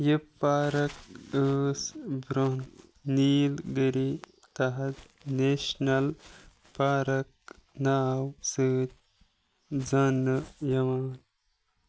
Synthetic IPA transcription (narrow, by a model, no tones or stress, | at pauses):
jipːaːɾɐkəːsbɾoɦnːiːlɡəɾi | t̪ɐɦɐt̪ | neːʃnɐl | paːɾɐk̚naːwsɨːt̪ | d͡zɐnːɨjɐʋaːn